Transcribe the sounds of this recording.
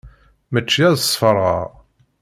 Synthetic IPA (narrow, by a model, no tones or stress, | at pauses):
mət͡ʃːjæðəsˤfəɾˤɑ̰ʁ